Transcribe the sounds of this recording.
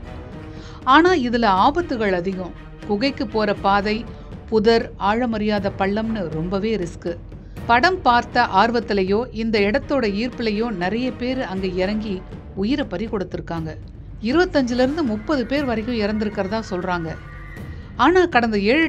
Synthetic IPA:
aːnaːɪðɪlɐaːbɐt̪ːɯɣɐɭɐðɪɣʊ̃ | kʊɣɐɪkːɯpːoːɾɐpaːðɐɪ | pʊðɐɾaːɻɐmɐɾɪjaːðɐpɐɭːɐmnɯɾɔmbɐʋeːɾɪskɯ | pɐɽɐmpaːɾt̪ɐʔaːɾɯʋɐt̪ːɪlɐjoːʔɪnd̪ɐɪɽɐt̪ːoːɽɐiːɾpɪlɐjoːnɪɾɐjɐpeːɾɐŋɡeːɪɾɐŋɡi | ʊjɪɾɐpɐɾikɔɽɯt̪ːɪɾɯkːaːŋɡɐ | ɪɾɯbɐt̪ːɐɲd͡ʒɪlɪɾɯnd̪ɯmʊpːɐðɯpeːɾʋɐɾɐkːʊ̃ɪɾɐnd̪ɪɾɯkːɪɾɐðãːsɔlraːŋɡɐ | aːnaːkɐɽɐnd̪ɐeːɻɯ

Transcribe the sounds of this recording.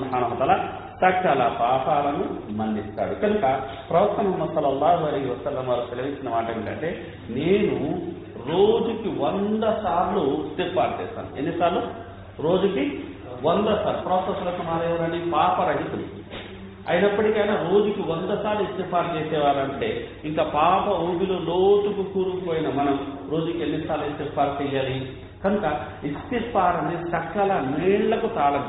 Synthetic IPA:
ubħaːnɐɦɐt̪aːlaː | sɐkt͡ʃaːlapaːpaːlɐnumɐnːist̪a̰ːɽukɐnukɐ | pɾɐʋɐk̚t̪ɐmɐɦɐmːɐd̪sɐlːɐlːaːɦuɐlɐjɦiʋɐsɐlːɐmʋaːɾkut̪elɐʋiɲt͡ʃːinɐmaːʈemiʈɐ̰ɳʈe̞ː | ne̞ːnu | ɾo̞ːd͡ʒukiʋond̪ɐsaːɾlust̪ipaːɾt͡ʃɛ̰ːsa̰ːnṵḛnːisaːɾlu | ɾo̞ːd͡ʒuki | ond̪ɐsaːɾlupɾoːsɐslɐsɐmaːɾeʋɐɾɐnipaːpɐɾɐɦit̪un | ɐ̰jnɐpːɐʈikɐjnaːɾo̞ːd͡ʒukiʋond̪ɐsaːɾluist̪ipaːɾt͡ʃɛːsɛːʋaːɾɐɳʈe̞ː | iŋkaːpaːpɐombiloːloːt̪ukukuːɾupoːjinɐmɐnɐmɾo̞ːd͡ʒukienːisaːɾluist̪iɾpaːɾt͡ʃɛjaːli | kɐnukɐ | ist̪ipaːɾɐnisɐkːɐlɐniːɳlɐkut̪aːlɐn

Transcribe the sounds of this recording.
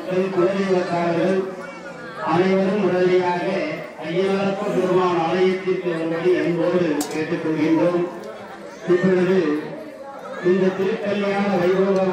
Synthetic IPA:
ʈːɐnkʊɐlɪɐʋɐt̪ːaːɽɐɐɯm | ʔɐðɐɪʋɐɾɯmʊɽɐlɪjaːɣɐ | ɐjːɐlɐɾɐp̪ːɐpʊɾɯmaːnɐːlɐjɐt̪ːɪɾkːɐɾɯmbɐɽiɛnboːðɯkeːʈːɯkːɔɭːɯɣɪndroːm | ɪpːɔɻɯðɯ | ɪnd̪ɐt̪ɪɾɯt̪ːɐlːɐjaːnɐʋɐɪʋɯːʋɐ

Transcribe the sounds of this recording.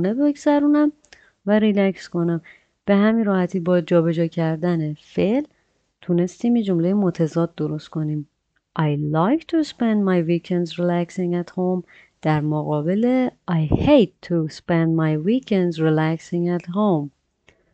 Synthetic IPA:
nebe̞ɡzæɾuːnæm | væɾilæksko̞næm | b̥e̞hæminrɒːhæt̪ʰiːbɒːd͡ʒɒːbe̞d͡ʒɒːcʰæɾd̪ænefe̞l | t̪ʰune̞st̪iːmjed͡ʒo̞mlejemot̪ʰæzɒːd̪̚d̪oɾo̞st̪kʰo̞niːm | ʔɑjlɑjkt̪ʰuspend̪mɑjvikʰɛnd̪zɾilæksiŋæt̪hom | d̪̥æɾmoɣɒːbe̞leɑjhejd̪̚t̪ʰuspend̪mɑjwikʰend̪zɾilæksĩŋɡæt̪ɦom

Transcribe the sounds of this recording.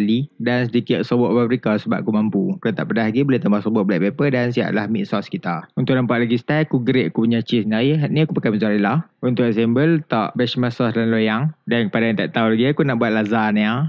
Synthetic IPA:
alidansədikɪʔsobɔʔfabəɾikasəbap̚akumampukat̪a̰ʔpədaɦlaɡibəlɪt̪əmbahsobɔʔ̚blaʔpepədansia̰ʔlahmiʔsɔskit̪aunt̪ʊʔnampaʔ̚laɡist̪aakuɡəɾeʔakupuɲat͡ʃisnajəɦaniakupakaməzaɾilahunt̪ʊʔɛs̬ɛmbəlt̪a̰ʔbɛsmasɔslanlojaŋdankəpadajant̪aʔt̪aulaɡiakunaʔbuat̪̚lazania

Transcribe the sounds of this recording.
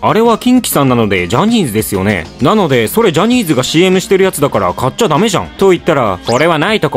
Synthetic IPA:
aɾe̞βakʲĩŋkʲi̥sãnːano̞d̪e̞d͡ʑaɲ̟iːzɨd̪e̞sɨjo̞̰ne̞̰nano̞d̪e̞so̞ɾe̞d͡ʑaɲ̟iːzɨɡaɕiːe̞mɯ̟ɕi̥t̪e̞ɾɯ̟jat͡sɨd̪akaɾa̰kat͡ɕːad̪ame̞ʑã̰ŋt̪o̞it̪ːaɾako̞ɾe̞β̞anait̪o̞k

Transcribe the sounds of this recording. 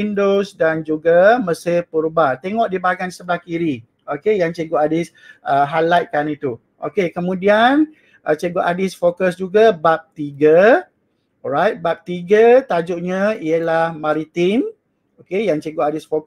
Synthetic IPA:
indosdand͡ʒuɡaməsɪpuɾubat̪eŋɔʔdibaɡansəbakiɾi | okejaŋt͡ʃəɡoʔadis | ʔəɦalajt̪̚kanit̪u | ʔo̰kekəmũdian | ʔət͡ʃəɡoʔadisfokəsd͡ʒuɡabap̚t̪iɡə | ɹajt̪̚bap̚t̪iɡət̪ad͡ʒuʔɲaijəlahmaɾit̪in | okejaŋt͡ʃəɡoadisfok

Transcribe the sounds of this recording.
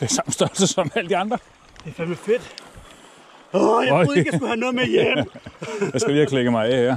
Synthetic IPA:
d̥eɐsɑ̈m̰n̩̥sd̥ɶɐlsəsɒ̽mæləd̥iɑ̈nd̥ʁɐ | d̥efænmefed̥ | ɔjɒeɡ̥jɡuhænɔðˠmejemjjɑ̈sɡ̥æliːækʰleɡ̥əmɑ̈ɪɛeɐ̰

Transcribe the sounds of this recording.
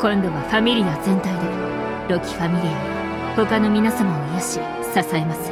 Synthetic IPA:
kõ̞nd̪o̞βaɸamʲiɾʲiazẽ̞nt̪aid̪et | ɾo̞kʲi̥ɸamʲiɾʲio | ho̞kano̞mʲinasamaojaɕi | sasaemasɨ̥

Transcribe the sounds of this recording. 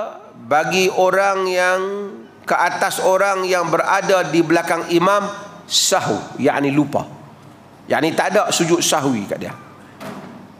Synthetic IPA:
baɡioɾaŋjaŋ | kəʔat̪asoɾaŋjaŋbəɾadadibəlakaŋimãmsaɦṵja̰ʔnilupa̰ | jʔa̰ʔnit̪adaʔsud͡ʒʊʔ̪saɦuwika̰ʔdia̰

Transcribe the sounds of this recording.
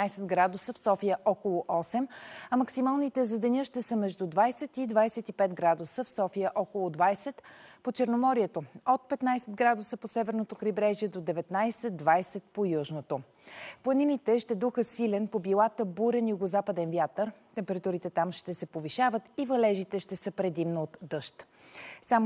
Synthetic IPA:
ajsɛd̪ɡɾad̪ʊsəfsɔfijəʔɔkolˠoʔɔsɛmɐmɐksimalˠnit̪ɛzɐd̪ɛnʲəʃt̪ɛsəmɛʒd̪ud̪vajsɛt̪id̪vajsɛt̪ipɛt̪ɡɾad̪usəfsɔfijəʔɔkolˠod̪vajsɛt̪pot͡ʃɛɾnomɔɾiɛt̪oot̪̚pɛt̪najsɛd̪̚ɡɾad̪ʊsəposɛvɛɾnot̪okɾibɾɛʒiɛd̪od̪ɛvɛt̪najsɛd̪d̪vajsɛt̪̚pojuʒnot̪o | plˠɐninit̪ɛʃt̪ɛd̪uxəsilɛnpobilˠat̪əbuɾɛnjʊɡozapəd̪ɛnvjat̪əɾt̪ɛmpɛɾɐt̪uɾit̪ɛt̪amʃt̪ɛsɛpoviʃavət̪ivɐlɛʒit̪ɛʃt̪ɛsəpɾɛd̪imnoot̪d̪ɤʃt̪ | sam

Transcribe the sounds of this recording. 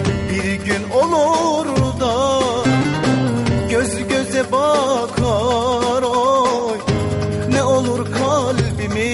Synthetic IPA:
biɾɟynolˠuɾd̪ɑ | ɟøzyɟøzɛbɑkʰɯ | ɾo | j | nɛolˠuɾkʰalbimi

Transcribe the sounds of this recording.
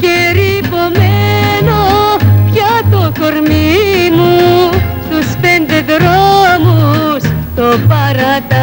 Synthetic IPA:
keɾipomenopjjat̪okoɾmimu | suspend̪ed̪ɾomust̪opaɾat̪a

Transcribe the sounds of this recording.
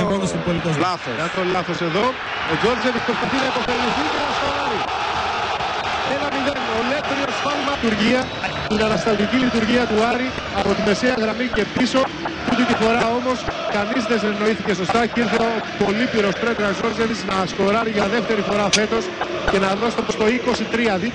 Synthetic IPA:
eɣoðɐsimpolit̪ozlɐθoɐolɐθo̞se̞ðo̞ | od͡ʒo̞ɾd͡ʒevispɾo̞spɐθinɐipo̞θe̞liθicenɐsxo̞ɾɐɾi | enɐmiðenoletɾiosfɐlimɐt̪uɾʝiɐ | t̪inɐnɐst̪ɐt̪icilit̪uɾʝiɐt̪uɐɾi | ɐpo̞t̪ime̞seɐɣɾɐmice̞piso̞ | ut̪it̪ifo̞ɾɐo̞mo̞skɐnizðeseno̞iθice̞so̞st̪ɐciɾθeot̪ipo̞lipiɾo̞st̪ɾet̪ɾɐzo̞ɾzevit͡snɐːsko̞ɾɐɾiʝɐðe̞ft̪e̞ɾifo̞ɾɐfe̞t̪o̞s | ce̞nɐðost̪opost̪o̞iko̞sit̪ɾiɐði

